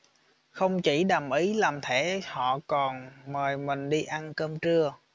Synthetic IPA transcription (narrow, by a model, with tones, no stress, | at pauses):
xə˧wŋ͡mt͡ɕi˧˩ɗa˨˩mʔi˨˦laː˨˩mt̪ʰe˧˩hɔ̰˧˨kɔ˨˩nməː˨˩jmï˨˩ŋ̟ɗi˧ʔa˧nkəː˧mt͡ɕɨ˧ə